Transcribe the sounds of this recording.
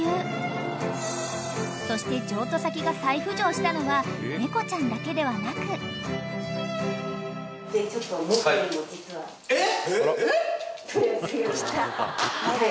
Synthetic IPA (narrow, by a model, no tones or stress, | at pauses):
ɯː | so̞ɕi̥t̪e̞d͡ʑo̞ːt̪o̞sakʲiɡasaiɸɯ̟d͡ʑo̞ːɕi̥t̪ano̞ɡane̞ko̞t͡ɕãnd̪ake̞d̪e̞βanakɯ̟ | det͡ɕot̪ːoimod͡ʑit͡sɨβa | e | soɾeseokanae